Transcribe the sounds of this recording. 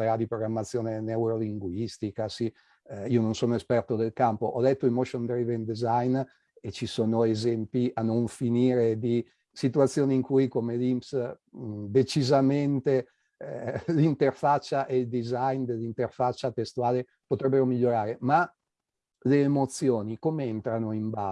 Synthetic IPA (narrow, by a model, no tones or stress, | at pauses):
eɾad̪ipɾoɡɾamːat̪sːjoːnenewɾoliŋɡwist̪ikasi | iononsoːnoespɛrt̪od̪elkampo̰ʔɔd̪ɛt̪ːoimoʃond̪ɾivend̪ezajn | et͡ʃisoːnoezɛmpiʔanoɱfiniːɾed̪i | sit̪uat̪sːjoːniːŋkujkomelimps | d̪et͡ʃizament̪e | lint̪erfat͡ʃːaʔeld̪izajnd̪elːint̪erfat͡ʃːat̪est̪uaːle | pot̪ɾɛbːeɾomiʎːoɾaːɾema | leːmot̪sjoːnikomeent̪ɾanoimba